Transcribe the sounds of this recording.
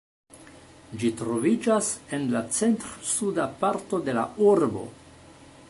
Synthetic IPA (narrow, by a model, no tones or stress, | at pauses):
d͡ʒitɾo̞vid͡ʒase̞nlat͡se̞ntɾsudapaɾto̞de̞la̰uɾbo̞̰